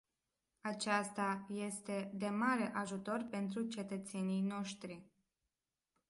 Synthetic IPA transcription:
at͡ʃast̪aje̞st̪e̞d̪e̞maɾe̞ʔaʒut̪o̞rpe̞nt̪ɾut͡ʃe̞t̪ət̪se̞nijno̞ʃt̪ɾi

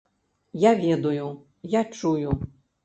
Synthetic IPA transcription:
javʲɛd̪uju | jat͡ʂuju

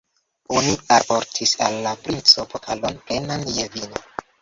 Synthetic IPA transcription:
unuaoɾtʰisa̰lːapɾint͡sopokʰalonplenanjevino

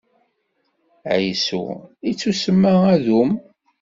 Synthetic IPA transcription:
ʕjsṵit͡sːusəmːaæðum

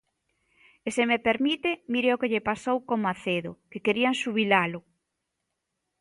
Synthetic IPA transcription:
esemepeɾmit̪emiɾeokeʎepasowkomaθeðʊkekeɾiaŋʃuβilalʊ

